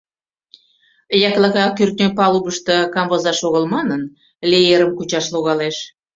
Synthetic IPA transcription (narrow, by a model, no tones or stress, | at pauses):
jɑklɑɣɑkyrt̪̚nʲøpɑluβəʃt̪ə̆kɑmbozɑʃoɣəlmɑnən | lʲeeɾəmkut͡ɕɑʃloɣɑleʃ